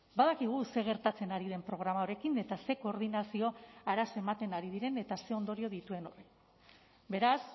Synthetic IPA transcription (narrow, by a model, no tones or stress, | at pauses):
baðakiɣ̞use̞ɣ̞e̞ɾt̪at͡se̞naɾiðe̞mpɾo̞ɣɾamao̞ɾe̞kine̞t̪ase̞ko̞ːɾð̞inasio̞aɾasoe̞mat̪e̞naɾið̞iɾe̞ne̞t̪ase̞o̞nd̪o̞ɾio̞ð̞it̪ue̞nore | be̞ɾas